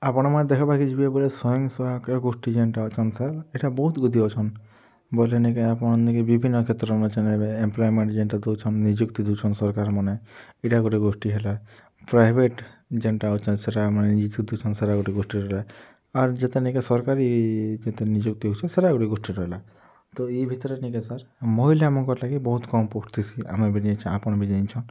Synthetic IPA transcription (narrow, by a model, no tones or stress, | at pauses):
apɔɽ̃ɔmɔed̪ɛkʰabakit͡ʃʰibiebɔlesɔjɔ̃ŋsɔakɡosʈid͡ʒeɳʈaot͡ʃʰɔnsaleʈabɔɦut̪ɡud̪ʱiɔt͡ʃʰɔn | bɔlenekeapɔɽ̃ɔnikebibʱinːɔkʰet̪ɾɔmet͡ʃʰaneemplɔjmeɳʈd͡ʒeɳʈad̪ewt͡ʃʰɔnːid͡ʒukt̪id̪ewt͡ʃʰɔnsɔɾkaɾmɔne | eʈaɡoʈiɡosʈiɦela | pɾajbʱeʈd͡ʒeɳʈaɦot͡ʃʰɔnseʈamɔnenid͡ʒuk̚t̪id̪iwt͡ʃʰɔnseɾaɡoʈiɡosʈiɾɔɦela | aɾd͡ʒet̪enikesɔɾkaɾid͡ʒet̪enid͡ʒuk̚t̪iɦot͡ʃʰɔ̃seɾaɡoʈiɡoʂʈiɾɔɦela | t̪ɔibʱit̪ɔɾenikesaɾmɔɦilaamɔŋkɔɾlaɡibɔɦut̪kɔmpoʈt̪isʰiʔa̰mebʱiʈiet͡ʃʰiapɔɽ̃bid͡ʒaint͡ʃʰɔn